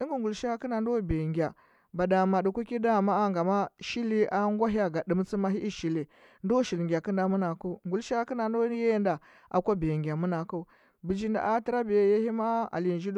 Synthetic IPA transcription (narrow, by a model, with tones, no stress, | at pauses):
i˦ŋɡi˨ŋɡu˨lʃa˦ki˦na˨ndo˦˨be˨ŋɡa˨ | ba˨da˨ma˨du˨kʷu˦ki˦da˦˨ma˦a˦ŋɡa˨ma˦ʃi˦li˦ʔa˦ŋɡʷa˦ɦi˦a˦˨ɡa˨ɗi˨m˦t͡si˦ma˦ɦi˦ʔi˦ʃi˨li˨ | ndo˦ʃi˨lŋɡʲi˨a˨ki˦nda˨mu˦na˨ku˦ŋɡu˨lʃa˦ki˦na˨ndo˦je˦nda˨ | ʔa̰˨kʷa˦be˨ŋɡa˨mu˦na˨ku˦ | bi˨d͡ʒi˦nda̰˨ʔa˦ti˦ɾa˦be˨je˦hi˦ma˦a̰˨li˨nd͡ʒi˦d